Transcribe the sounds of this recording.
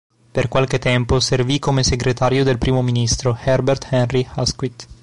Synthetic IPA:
perkwalket̪ɛmposervikomeseɡɾet̪aɾjod̪elpɾiːmominist̪ɾohɛrbert̪hɛnrihaskwit̪

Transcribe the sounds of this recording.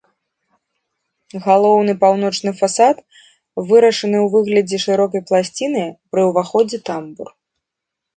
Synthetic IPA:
ɣalˠɔwnɨpawn̪ɔt͡ʂnɨfasat̪ | vɨɾɐʂɐnɨwvɨɣlʲɐd͡zʲɛʂɨɾɔkɐjplˠasʲt͡sʲin̪ɨpɾɨwvaxɔd͡zʲɛt̪ambur

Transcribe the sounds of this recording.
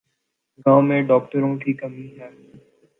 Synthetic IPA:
ɡãːomẽːɖɔːk̚ʈəɾõkikəmiɦɛː

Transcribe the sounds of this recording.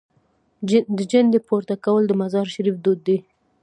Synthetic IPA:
d̪əd͡ʒand̪epoɾt̪akawəld̪əmazɑɾʃaɾifd̪ud̪ːi

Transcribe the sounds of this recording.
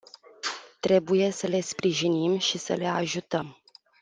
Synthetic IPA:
t̪ɾe̞buje̞səle̞spɾiʒinimʃisə̰le̞aʒut̪əm

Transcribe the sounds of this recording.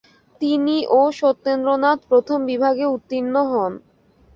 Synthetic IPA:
t̪iniʔoʃot̪ːend̪ɾonat̪pɾot̪ʰombibʱaɡeut̪ːinːoɦɔn

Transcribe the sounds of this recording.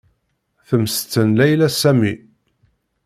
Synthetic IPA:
θəmst͡sːənlæjlæsæmi

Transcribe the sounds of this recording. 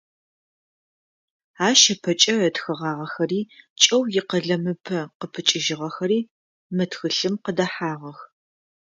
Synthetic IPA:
aːʃɐpʰɐt͡ʃʼɐətxɨʁɑːʁɐxɐriːt͡ʃʼɐwjɪqɐɮɐmɨpʰɐqəpʰɨt͡ʃʼɪʒɪʁɐxɐɾiː | mɐtxɨɬɨmqədɐħaːʁɐx

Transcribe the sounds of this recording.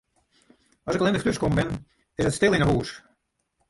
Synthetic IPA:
ɔsɪkəlˠɪndəχtøskɔmbɪn | ɪsətstɪlˠɪnəɦuːs

